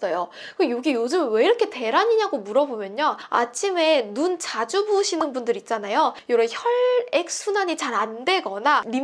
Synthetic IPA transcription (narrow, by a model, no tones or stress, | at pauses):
s͈ʌjokɯjoɡijod͡ʑɯmɯnwe̞iɾʌkʰe̞te̞ɾaɲiɲaɡomuɾʌbomjʌɲoa̰t͡ɕʰime̞nunt͡ɕad͡ʑuboɕʰinɯnbundɯɾit̚t͡ɕ͈anajojoɾʌçʌɭek̚s͈ʰunaɲit͡ɕaɾande̞ɡʌnani